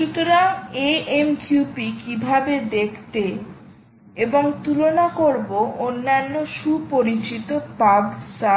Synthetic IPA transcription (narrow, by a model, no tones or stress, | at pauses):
ʃut̪oɾaeemkupikibʱabed̪ekʰt̪e | eboŋt̪ulonakoɾboʔonːanːoʃupoɾit͡ɕit̪opabsa